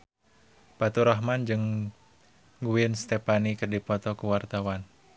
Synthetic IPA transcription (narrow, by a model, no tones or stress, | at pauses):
pat̪uɾɔɦmand͡ʒɨŋ | ɡuɪnst̪ɛpanikɨrdipɔt̪ɔkuwart̪awan